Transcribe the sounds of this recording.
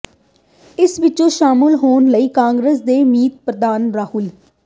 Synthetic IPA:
ɪsʋɪt͡ʃõːʃaːmɪlɦoːnləiːkãːŋɡɾəs̬d̪eːmiːt̪̚pɾəd̪aːnɾaːɦʊl

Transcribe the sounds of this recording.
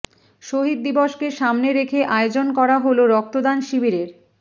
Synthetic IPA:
ʃoɦid̪̚ːibɔʃkeʃamneɾekʰeʔaeod͡ʑonkɔɾaɦoloɾɔk̚t̪od̪anʃibiɾeɾ

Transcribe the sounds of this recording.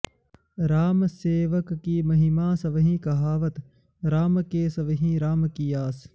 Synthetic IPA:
ɾaːmseːʋəkːiːmɐɦimãːsɐʋɦĩːkɐɦaːʋət̪ | ɾaːmkeːsɐʋɦĩːɾaːmkiːjaːs

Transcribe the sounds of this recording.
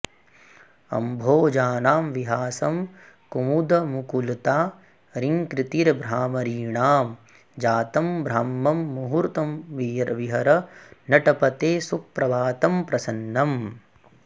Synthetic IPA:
ɐ̰mbʱoːd͡ʒaːnaːmʋiɦaːsɐm | kumud̪ɐmukult̪aː | ɾiŋkɾit̪iɾbɾaːmɐɾiːɳaːm | d͡ʒaːt̪ɐmbʱɾaːmːɐmːuɦuɾt̪ɐmʋiɾʋiɦɐɾɐnɐʈɐpɐt̪eːsupːɾɐʋaːt̪ɐmpɾɐsɐnːɐm

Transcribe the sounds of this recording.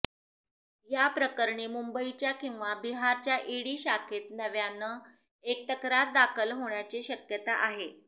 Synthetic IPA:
japɾəkəɾɳiːmumbəit͡ɕjakĩw̃ʋabiɦaɾt͡ɕjaʔeɽiːɕakʰet̪̚nəʋjanːə | ek̚t̪əkɾat̪̚d̪akʰəlɦoɳjat͡ɕiɕəkjət̪aʔaɦe

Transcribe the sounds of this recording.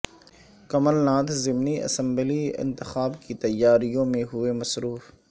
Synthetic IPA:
kɐməlnãːt̪ʰzɪmniɐ̰sə̃mbliɪ̰̃nt̪ɪxaːbkit̪ɐjːaːɾijõmẽɦʊemɐsɾuːf

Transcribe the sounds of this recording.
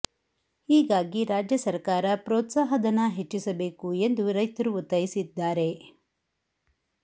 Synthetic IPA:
hiːɡaːɡiɾaːd͡ʒjɐsɐɾkaːɾɐpɾɔːt̪saːɦɐd̪ɐnːɐɦe̞t͡ʃːisɐbe̞ːkue̞nd̪uɾɐjt̪ɐɾuut̪ːɐɾisid̪ːaːɾe̞

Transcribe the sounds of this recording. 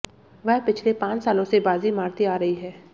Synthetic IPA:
ʋɐɦpɪt͡ʃʰlepãːt͡ʃsaːlõsebaːzimaːɾt̪iaːɾɐɦiɦɛː

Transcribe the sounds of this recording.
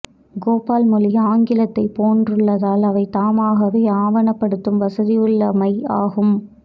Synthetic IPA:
ɡoːpaːlmʊlɪaːŋɡɪlɐt̪ːɐɪpoːndrɯɭːɐðaːlɐʋɐɪt̪aːmaːɣɐɾɯjaːʋɐnɐpːɐɽɯt̪ːɯmʋɐsɐðɪjɯɭːɐmɐɪaːɣɯm

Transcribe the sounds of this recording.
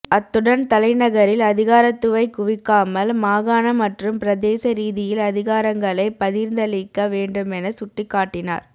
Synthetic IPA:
ɐt̪ːɯɽɐnt̪ɐlɐɪnɐɣɐɾɪlɐðɪɣaːɾɐt̪ːɯʋɐɪkːʊʋɪkːaːmɐlmaːɣaːnɐmɐʈrɯmpɪɾɐðeːsɐɾiːðɪjɪlɐðɪɣaːɾɐŋɡɐɭɐɪpɐðiːɾnd̪ɐlɪkːɐʋeːɳɖɯmɛnɐsʊʈːɪkːaːʈːɪna̰ːɾ

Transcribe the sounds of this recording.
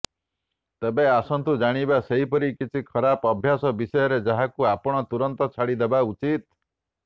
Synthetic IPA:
t̪ebeasɔnt̪ud͡ʒaɽ̃ibaseɦipɔɾikit͡ʃʰikʰɔɾapɔbʱjasɔbisɔjɔɾed͡ʒaɦakuapɔɽ̃ɔt̪uɾɔnt̪ɔt͡ʃʰaɽid̪ebaut͡ʃit̪̚

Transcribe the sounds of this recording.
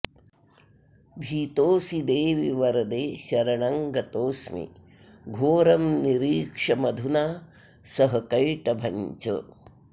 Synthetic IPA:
bʱiːt̪oːsid̪eːʋiʋɐɾɐd̪eːʃɐɾɐɳɐŋɡɐt̪oːsmḭ | ɡʱoːɾɐmniɾiːkʂɐmɐd̪ʱunaː | sɐɦɐkɐjʈɐbʱɐɲt͡ʃɐ̰

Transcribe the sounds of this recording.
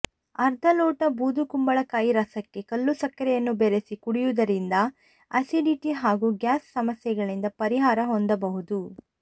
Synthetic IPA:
ɐɾd̪ʱɐlɔːʈɐbuːd̪ukumbɐɭɐkːaːjiɾɐsɐkːe̞kɐlːusɐkːɐɾɛjɐnːubeɾesikuɽijud̪ɐɾind̪ɐ | ɐsiɖiʈiɦaːɡuːɡjaːsːɐmɐsjɛɡɐɭind̪ɐpɐɾiɦaːɾɐɦɔnd̪ɐbɐɦud̪u

